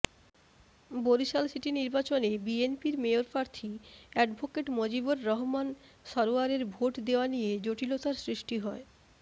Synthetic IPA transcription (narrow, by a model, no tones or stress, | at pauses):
boɾiʃalsiʈiniɾbat͡ɕonebienpiɾmeoɾpɾaɾt̪ʰiɛɖbʱokeʈmod͡ʑiboɾːɔɦman | ʃɔɾoaɾeɾbʱoʈd̪eoanijed͡ʑoʈilot̪aɾsɾiʃʈiɦɔe